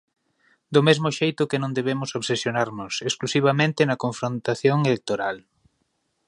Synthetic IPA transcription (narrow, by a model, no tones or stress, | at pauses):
d̪ʊmezmʊʃejt̪ʊkenõnd̪eβemʊsoβsesjonaɾnʊsesklusiβ̞amẽnt̪ɪnɐkoɱfɾõnt̪aθjoŋelek̚t̪oɾal